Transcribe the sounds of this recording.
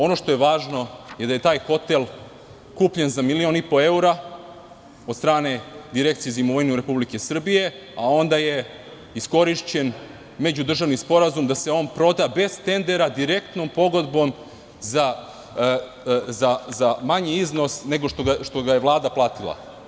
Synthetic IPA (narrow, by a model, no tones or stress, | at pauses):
o̞no̞ʃt̪o̞jeʋaːʒno̞je̞d̪aje̞t̪aːjxo̞t̪e̞lˠ | kuːpʎe̞nzamilio̞nipo̞e̞uɾa | od̪st̪ɾaːne̞d̪iɾe̞k̚t̪sijezimoʋojnuɾe̞publike̞sr̩bije̞ | ao̞nd̪aje̞ | isko̞ɾiʃt͡ɕe̞n | med͡ʑud̪r̩ʒaʋnispo̞ɾazumd̪aseo̞ːnpɾo̞d̪abe̞z̥t̪e̞nd̪e̞ɾad̪iɾe̞k̚t̪no̞mpo̞ɡo̞d̪bo̞m | za | zazamaɲiizno̞sne̞ɡo̞ʃt̪oʃt̪o̞ɡajeʋlˠaːd̪aplˠaːt̪ilˠa̰